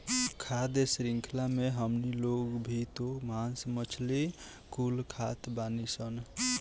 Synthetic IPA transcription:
kʰad̪esɾiŋkʰlameɦəmniloɡbʱit̪omansmət͡ʃʰli | kulkʰat̪banisən

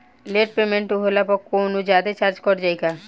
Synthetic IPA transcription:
leʈ̚pemẽɳʈuɦolapɔkːonud͡ʒaːd̪et͡ʃaɾd͡ʒkɔɾd͡ʒajka

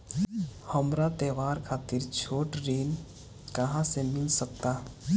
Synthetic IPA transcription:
həmɾat̪ɛːʋaːɾkʰaːt̪ɪɾt͡ʃʰoːʈɾiːn | kəɦãsemɪlsək̚t̪a

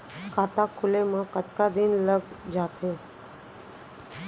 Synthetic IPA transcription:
kʰaːt̪aːkʰʊleːmãːkət͡ʃkaːd̪ɪnləɡ | d͡ʒaːt̪ʰeː

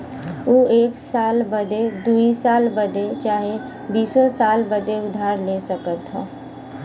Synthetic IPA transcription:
uːeːksaːlbəd̪ed̪uisaːlbəd̪et͡ʃaːɦe | biːsosaːlbəd̪eʊd̪ʱaːɾleːsəkət̪ɦa̰ː

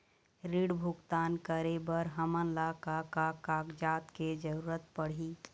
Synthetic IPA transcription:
ɾiɽbʱuɡt̪aːnkəɾebəɾɦəmənlakakakaɡd͡ʒat̪ked͡ʒəɾuɾət̪̚pəɽ̤i

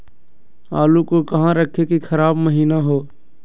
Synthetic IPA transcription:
aːlukokɐɦãɾəkʰːekixʰɐɾaːbməɦiːnaɦoː

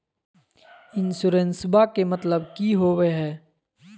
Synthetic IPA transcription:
ɪnsuɾẽnsɪbakemɐt̪ləb̚kiɦoweɦɛː

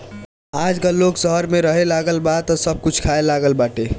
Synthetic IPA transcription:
aːd͡ʒkaloːɡsəɦəɾmẽɾəɦelaɡəlbaːd̪̚t̪ɔsəb̚kʊt͡ʃʰkʰaelaːɡəlbaːʈe

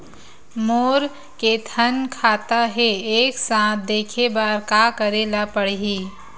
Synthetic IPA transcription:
moːɾ | ket̪ʰənkʰaːt̪aɦeeːksãːt̪̚ʰd̪eːkʰebaːɾkaːkəɾeːlapəɽ̤ɦiː

